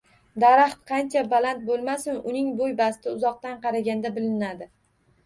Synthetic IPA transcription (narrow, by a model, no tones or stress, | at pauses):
d̪aɾaχt̪qʰɑnt͡ʃʰabalant̪̚bolˠmasɪnʊnɪŋbojbast̪ɪʊzɒq̚t̪anqʰɑɾaɡʲand̪abɪlɪnad̪ɪ